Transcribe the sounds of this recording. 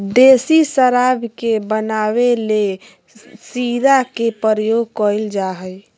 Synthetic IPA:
d̪esisəɾabʱkebənaβele | siɾakepəɾəjoɡkɔəld͡ʒaɦəj

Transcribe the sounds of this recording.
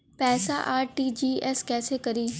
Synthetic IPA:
pɛːsaʔaːɾʈiːd͡ʒiːɛːskɛːsekɐɾiː

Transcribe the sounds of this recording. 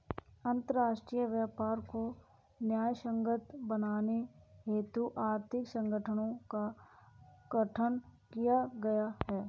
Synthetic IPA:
ə̃nt̪əɾɾaːʃʈɾiːjəʋjəːpaːɾko | njaːjʃə̃ŋɡət̪bənaːneɦeːt̪uʔaːɾt̪ʰɪksə̃ŋɡəʈʰənõka | ɡ̥əʈʰənkijaɡɐjahɛː

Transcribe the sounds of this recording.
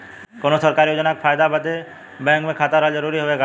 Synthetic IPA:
koːnosəɾkaːɾijod͡ʒnakefʰaːjd̪abəd̪e | bɛ̃ːŋkmẽkʰaːt̪əɾad͡ʒəɾuːɾiɦoʋeɡa

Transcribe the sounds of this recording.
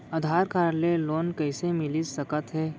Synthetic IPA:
ɐd̪ʱaːɾkaːɾleloːnkɛːsemɪlid͡ʒsəkət̪ɦɛː

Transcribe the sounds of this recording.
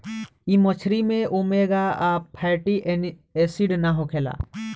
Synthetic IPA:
imɔt͡ʃʰɾimẽomeɡaapʰajʈiʔ | esiɖnaɦokʰela̰

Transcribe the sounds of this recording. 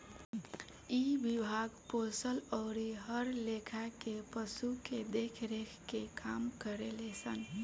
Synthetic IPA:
ibibʱaɡposəlɔːɾiɦəɾlekʰakepəsuked̪ekʰɾekʰkekamkəɾelesən

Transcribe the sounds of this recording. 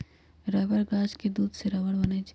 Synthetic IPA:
ɾɛːbəɾɡaːd͡ʒked̪uːd̪seɾɐʋəɽbɐnad͡ʒ

